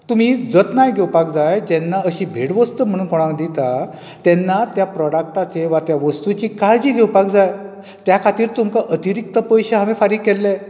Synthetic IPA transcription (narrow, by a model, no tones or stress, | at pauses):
t̪um̤id͡zət̪najɡʱɛwpak̚d͡zajd͡ʑɛnːaəɕiːbʱeɽʋəst̪əm̤əɽ̃uːnkɔɽ̃ãkd̪it̪a | t̪ɛnːat̪japɾɔɽak̚ʈat͡seʋat̪jaʋəst̪ut͡ɕiːkajd͡ʑiːɡʱɛwpakd͡zaj | t̪jakʰat̪iːɾt̪umkaʔət̪iɾik̚t̪əpəjɕeɦaʋefaɾiɡkːɛlːe